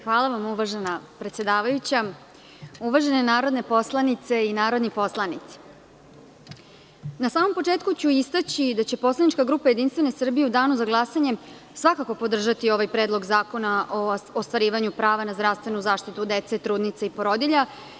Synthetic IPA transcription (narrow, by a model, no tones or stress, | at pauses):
xʋaːlˠaʋamuʋaʒenapɾet̪sje̞d̪aːʋajut͡ɕa | uʋaʒe̞ne̞naːɾo̞d̪ne̞po̞slˠanit̪se̞inaːɾo̞d̪nipo̞slˠanit̪si̥ | nasaːmo̞mpo̞t͡ʂe̞ːt̪̚kut͡ɕuist̪at͡ɕid̪at͡ɕe̞po̞slˠaniʈ͡ʂkaɡɾuːpaje̞d̪inst̪ʋe̞ne̞sr̩bije̞ud̪aːnuzaɡlˠasaɲe̞ | sʋakako̞po̞d̪r̩ʒat̪io̞ʋajpɾe̞ːd̪lˠo̞ɡzaːko̞naʔo̞ːst̪ʋaɾiːʋaɲupɾaːʋanazd̪ɾaʋst̪ʋe̞nuzaːʃt̪it̪ud̪e̞t̪set̪ɾuːd̪nit̪seipoɾo̞d̪iʎa